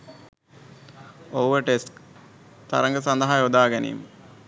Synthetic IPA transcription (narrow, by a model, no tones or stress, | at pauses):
oʋəʈesk | t̪a̰ɾəŋɡəsand̪ɐɦajod̪aːɡænḭjmə